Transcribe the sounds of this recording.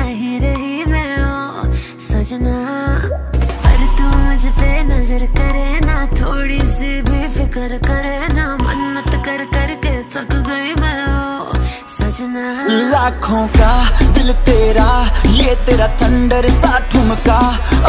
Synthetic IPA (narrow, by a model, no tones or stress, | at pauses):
ɦiɾɐɦimeːo | sɐd͡ʒna | pɐɾt̪uːd͡ʒt̪eːnɐzəɾkɐɾenaːt̪ʰoːɽiːsibʱifɪkəɾkɐɾeːnamɐ̰nːət̪kɐɾkɐɾkeːt̪ʰɐkɡɐimeːo | sɐd͡ʒnalaːkʰõːkaːd̪ɪlt̪eːɾaːlɪet̪eːɾat̪ʰɐ̃ɳɖəɾsaːʈʰʊmka